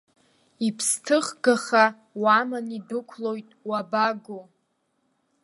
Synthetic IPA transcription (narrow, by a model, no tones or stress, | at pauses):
ipʰstʰɨχɡaχa | wamanidɨkʷʰlo̞jtʼwabaɡo